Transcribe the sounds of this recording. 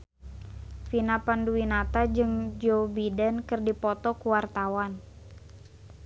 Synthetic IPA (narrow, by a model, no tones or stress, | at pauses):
finapanduwinat̪ad͡ʒɨŋd͡ʒobidɛnkɨrdipɔt̪ɔkuwart̪awan